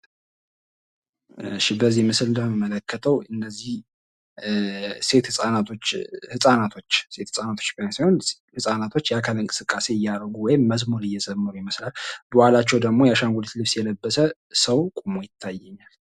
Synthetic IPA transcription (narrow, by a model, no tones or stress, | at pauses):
ɨ̰ʃibəzimɨsɨlnd̪əhməmələkʰːət̪ʰəwʔɨnːəzːih | se̞t̪hɨsʼanat̪ʰot͡ʃːhɨsʼanat̪ʰo̞t͡ʃːse̞t̪hɨsʼanat̪ʰo̥t͡ʃːbasajho̞n | hɨsʼanat̪ʰo̞t͡ʃːjakʰəlɨŋkʼɨ̥sɨkʼːase̞ɪjːaɾɡuwɔjɪmːəzmuɾɨjːɛzəmːəɾujɪməslalb̥əwalat͡ʃːɛwd̪əɡmo̞jaʃaŋɡʷolet̪lɨβsjɛləbːəsə | səwkʼumojɪt̪ʰːajːɛɲːal